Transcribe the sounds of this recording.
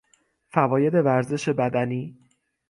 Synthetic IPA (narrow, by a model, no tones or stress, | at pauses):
fævɒːje̞d̪e̞væɾze̞ʃe̞bæd̪æniː